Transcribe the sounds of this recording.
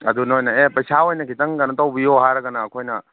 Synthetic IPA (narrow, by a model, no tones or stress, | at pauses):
ɐ̰d̪unojnɐepɐjsawojnɐkʰitɐŋɡɐnɐtɐwbioɦaɾɐɡɐnaːkʰojnɐ